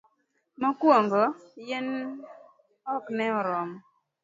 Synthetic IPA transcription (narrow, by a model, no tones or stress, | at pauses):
mɔkwoŋɡɔjɪn | ɔknɛɔɾɔm